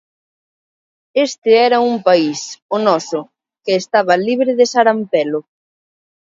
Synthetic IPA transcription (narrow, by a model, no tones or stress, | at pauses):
est̪ɪɛɾɐumpaisonɔsʊ | kɪːst̪aβɐliβɾɪðɪsaɾampɛlʊ